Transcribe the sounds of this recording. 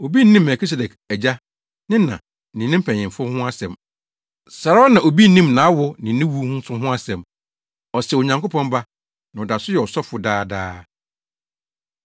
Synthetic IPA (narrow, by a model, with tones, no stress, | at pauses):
o˨bi˦n˦nĩ˦mː˨mɛ˨kʰi˦s̬e˨dɛ˨k | æ˨d͡ʑa˦ | nɪ̃˦nã̰˨ | nɪ̃˨nɪ̃˦m̩˦pʰɛ̃˨ɲ˨ɪ̃˨m˨fʊ˦hʊ̃˦a˦sɛ̃˨m | sa˨ɾa˦nã˨o˨bi˦nĩ˦mnã˨˦wʊ˦nɪ̃˨nɪ̃˦wu˦hũ˦n̩˦sʰʊ̃˦ɦʊ̃˦a˦sɛ̃˨m | ɔ˨sɛ˨o˨ɲã˨ŋko˦pʰɔ̃˦nba˦ | nã˨ɔ˨da˨sʊ˦jɛ˨ɔ˨sɔ˦fʊ˨daː˦daː˦